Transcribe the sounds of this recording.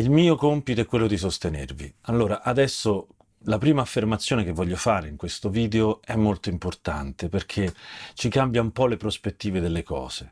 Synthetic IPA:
ilmiːokompit̪oɛkːwelːod̪is̬ost̪enervialːoːɾaʔad̪ɛsːo | lapɾiːmaːfːermat̪sːjoːnekevːɔʎːofaːɾeiŋkwest̪oviːd̪eoɛmːolt̪oimport̪a̰nt̪eperk̟ʰet͡ʃikambjaumpɔlepɾospet̪ːiːved̪elːekɔ̰ːse

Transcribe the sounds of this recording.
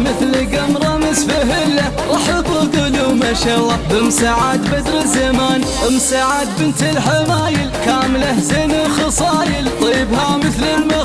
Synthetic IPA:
mɪθlɡamɾˤɑmɪzfɪɦɪlːa | ʔɑħabːʊɡ̪ʊlumaʃaːlˤːɑːbɪmsaʕaːd̪bad̪ɾɪzamaːn | ɪmsaʕaːd̪̚bɪnt̪ɪlħamaːjɪlkaːmlahzɪnaxɑsˤɑːjɪlt̪ˤiːbhamɪθlɪlma

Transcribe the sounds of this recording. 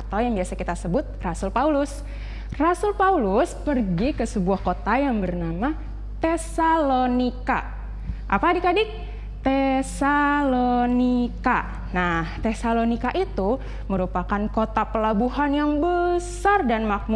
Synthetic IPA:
at̪awjaŋbiasakit̪asəbʊt̪̚rasulpaulʊs | rasʊlpaulʊspərɡikəsəbuahkot̪ajaŋbərnama | t̪esalonika̰ | ʔa̰padikadɪk̚ | t̪esalonika | naht̪esalonikaʔit̪u | məɾupakankot̪apəlabuɦanjaŋbəsardanmak̚mu

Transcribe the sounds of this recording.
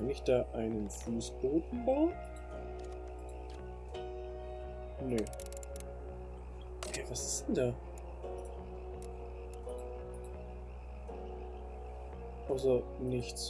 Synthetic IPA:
kanɪçd̥aːʔaɪnənfuːsb̥oːtn̩baʊn | ne | hɛvasɪ̥sd̥ɛndaː | ʔaʊsɐ | nɪçt

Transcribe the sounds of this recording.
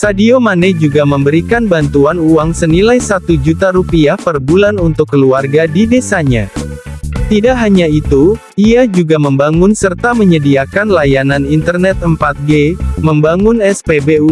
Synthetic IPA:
sadiomanɛd͡ʒuɡaməmbəɾikanbant̪uanuaŋsənilajsat̪ud͡ʒut̪aɾupiahpərbulanunt̪ʊkːəluarɡadidesaɲa̰ | t̪idaʔɦaɲait̪u | iad͡ʒuɡaməmbaŋʊnsərt̪aməɲədiakanlajananint̪ərnɛt̪̚əmpat̪̚ɡeməmbaŋʊnɛspebeu

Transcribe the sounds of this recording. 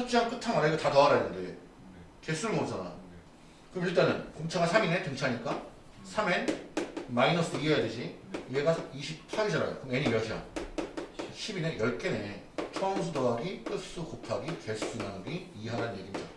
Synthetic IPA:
sʰʌt͡ɕ͈iamk͈ɯtʰaŋaɾaiɡotatʌaɾanɯnde̞ | t͡ɕe̞s͈unɯɭmod͡ʑana̰jo̰ | kɯɾʌmiɭt͈anɯnkoŋt͡ɕʰaŋasʰamine̞tɯŋt͡ɕʰaɲik͈a | sʰamenmainʌs͈ʰɯdoiʌjaded͡ʑʰieɡasʰoiɕʰippʰaɡid͡ʑaɾa̰jo̰kɯŋeɲiiɾʌd͡ʑeja̰ | ɕʰibinejʌɭk͈ene̞ | t͡ɕʰʌŋs̬ʰudoaɡik͈ɯs͈ukopʰaɡike̞s͈unaɡiiɦaɾanɯnɲje̞ɡimɲida̰

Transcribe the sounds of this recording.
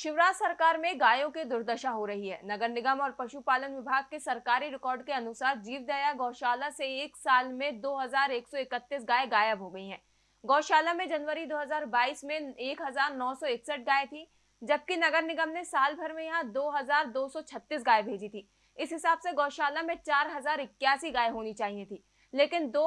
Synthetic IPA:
ʃɪʋɾaːsɐɾkaːɾmẽɡaːjõkid̪ʊɾd̪əʃaɦoɾɐɦiɦɛ̰ːnɐɡəɾnɪɡəmɔːɾpɐʃupaːlənʋɪbʱaːɡ̚kesɐɾkaːɾiɾɪkɔːɾɖkeɐnʊsaːɾd͡ʒiːʋd̪aːjaɡɔːʃaːlaseeːksaːlmẽd̪oːɦɐzaːɾeːksɔɪkət̪ːis̬ɡaːeɡaːjəbɦoɡɐiɦɛ̰̃ː | ɡɔːʃaːlamẽd͡ʒɐnʋəɾid̪oːɦɐzaːɾbaːiːsmẽeːkɦɐzaːɾnɔːsɔɪksəʈ̚ɡaːet̪ʰi | d͡ʒɐb̚kinɐɡəɾnɪɡəmnesaːlbʱɐɾmẽjɐɦãd̪oːɦɐzaːɾd̪oːsɔt͡ʃʰɐt̪ːiːs̬ɡaːebʱeːd͡ʒit̪ʰiː | ɪsɦɪsaːbseɡɔːʃaːlamẽt͡ʃaːɾɦɐzaːɾɪkːjaːsiɡaːeɦoːnit͡ʃaːɦijet̪ʰiː | leːkɪnd̪oː

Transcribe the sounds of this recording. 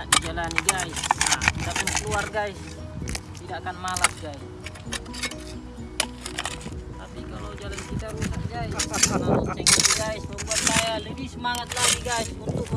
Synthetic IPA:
aʔdid͡ʒalaniɡaisat̪it̪apunukluarɡais | t̪idakanmalasɡais | t̪apikalɔd͡ʒalankit̪aɾusak̚ɡaisaalanɛŋadiɡaisbabuat̪lajaləbisəmaŋat̪̚laɡiɡaisunt̪uk̚

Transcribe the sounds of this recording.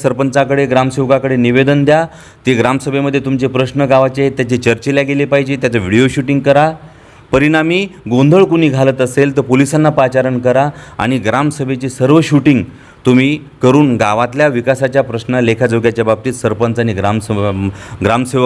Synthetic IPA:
səɾpənt͡sakəɽeɡɾamseʋkakəɽeniʋed̪ənd̪ja | t̪eɡɾamsəbʱeməd̪ʱːjet̪umt͡ɕepɾəɕnəɡaʋat͡ɕeɦet̪jat͡ɕet͡ɕəɾt͡ɕeljaɡelepaɦid͡ʑet̪jat͡səʋiɽijoɕuʈiŋɡkəɾa | pəɾinamiːɡõnd̪ʱəɭkuniːɡʱalət̪əselt̪əɾpolisanːapat͡ɕaɾənkəɾaa̰ɽ̃iɡɾamsəbʱet͡ɕisəɾʋəɕuʈiŋɡ | t̪um̤iː | kəɾuːnɡaʋat̪ljaʋikasat͡ɕjapɾəsnəlekʰad͡zəɡjat͡ɕjabab̚t̪iːt̪səɾpənt͡saɽ̃iɡɾaməɡɾamseʋ

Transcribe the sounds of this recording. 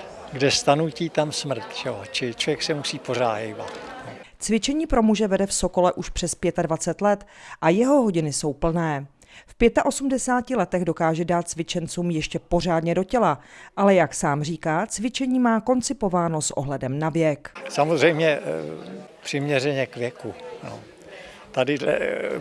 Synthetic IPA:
ɡdɛst̪anuciːt̪amsmr̩t̪ʒɛot͡ʃɪt͡ʃlovjɛksɛmusiːpo̞ra̰ːjɛjba̰t̪ | t͡svɪt͡ʃɛɲiːpɾo̞muʒɛvɛdɛfso̞ko̞lɛʔuʃpr̝̥ɛspjɛt̪advat͡sɛt̪lɛt̪ʔajɛɦo̞ɦo̞ɟɪnɪso̞wpl̩nɛː | fpjɛt̪aʔo̞sumdɛsaːcɪlɛt̪ɛɣdo̞kaːʒɛdaːt̪̚t͡svɪt͡ʃɛnt͡suːmjɛʃcɛpo̞r̝aːdɲɛdo̞cɛlaʔalɛjaksaːmr̝iːkaːt͡svɪt͡ʃɛɲiːmaːko̞nt͡sɪpo̞vaːno̞sʔo̞̰ɦlɛdɛmnavjɛksamozrɛjmɲɛ | pr̥ɪmɲɛrɛɲɛkvjɛkuno̰ | t̪adɪdlɛ̰

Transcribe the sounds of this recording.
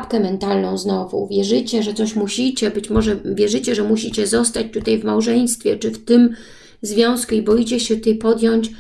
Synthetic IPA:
pkɛmɛnt̪alnɔ̃w̃znɔvṵvʲjɛʐɘt͡ɕɛʐɛt̪sɔɕmuɕit͡ɕɛbɘt͡ɕmɔʐɛvʲjɛʐɘt͡ɕɛʐɛmuɕit͡ɕɛzɔst̪at͡ɕt̪ut̪ajvmawʐɛj̃st̪fʲjɛt͡ʂɘft̪ɘm | zvʲjɔ̃w̃skuibɔjit͡ɕɛɕɛt̪ɘpɔd̪ʲjɔɲt͡ɕ

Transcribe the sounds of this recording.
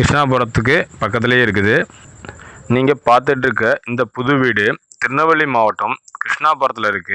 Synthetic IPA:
kɾɪʂɳaːpoːɾɐt̪ːɯk̬ːɯpɐkːɐt̪ːɪleːɪɾɯk̬ːɯðɯ | niːŋɡɐpaːɾt̪̬ɪʈ̬ːɪɾɯkːɾɐʔɪnd̪ɐpʊðʊʋiːɽɯt̪ɪɾnɐʋɐɭimaːʋɐʈːɐmkɾɪʂɳaːpoːɾɐt̪ːɪlɪɾɯkːɯ

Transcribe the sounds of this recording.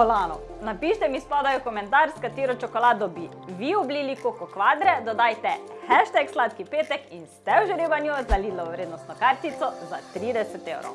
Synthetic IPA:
ɔlaːnɔ | napiːʃt̪ɛmispɔd̪ajukɔmɛ̃nt̪aːɾskat̪eːɾɔt͡ʃɔkɔlaːd̪ɔbi | ʋiɔbliːlikokɔkʋaːd̪ɾɛd̪ɔd̪aːjt̪ɛxɛʃt̪ɛkslaːt̪kipeːt̪ɛkinst̪ɛwʒɾeːʋanjuzaliːd̪lɔʋɔʋɾeːd̪nɔst̪nɔkaɾt̪it̪sɔzat̪ɾiːd̪ɛsɛt̪ewɾɔ̰w

